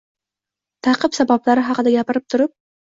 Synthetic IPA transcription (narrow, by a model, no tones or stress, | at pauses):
t̪ʰɑqʰɨpsabablaɾɪɦɑqɨd̪aɡʲapɪɾɪp̚t̪ʰʊɾɪp̚